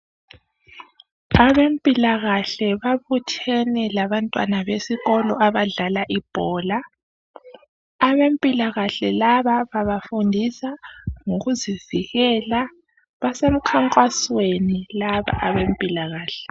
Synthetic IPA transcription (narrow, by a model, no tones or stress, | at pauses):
aβempʼilaɣaɬɛβaβutʰɛnɛlaβantʼwa̰naβesiɣɔlɔ̰ʔaβaɮalaʔib̥ʱɔːla | βempʼilaɣaɬɛlaβaβaβafundʱisaŋoɣuziviɣɛla | βasem̩kʰaŋkʼwaswenilaβa̰ʔaβempʼilaɣaːɬɛ̥